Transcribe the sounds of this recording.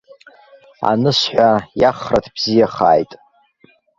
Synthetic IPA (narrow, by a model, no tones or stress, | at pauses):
a̰nɨsħʷᶣajaχratʰb̥zijaχaːjtʼ